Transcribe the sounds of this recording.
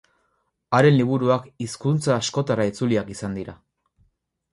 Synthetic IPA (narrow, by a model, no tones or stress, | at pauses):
aɾe̞nliβ̞uɾuakiskunt͡saːsko̞t̪arait͡suliakisand̪iɾa